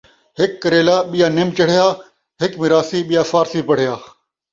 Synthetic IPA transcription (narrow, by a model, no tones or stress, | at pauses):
ɦɪkːəɾeːlaːɓɪjaːnɪmt͡ʃəɽ̤ɪjaː | ɦɪkmɪɾaːsiːɓɪjaːfaːɾsiːpəɽ̤ɪjaː